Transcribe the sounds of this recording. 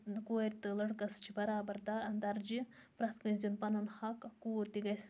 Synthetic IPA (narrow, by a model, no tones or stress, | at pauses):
koːɾʲt̪ɨlɐɽkɐst͡ʃʰibɐɾaːbɐɾd̪aɐnd̪ɐɾd͡ʒipɾɐt̪ʰkɐnzimpɐnɐnhɐkkuot̪iɡɐjs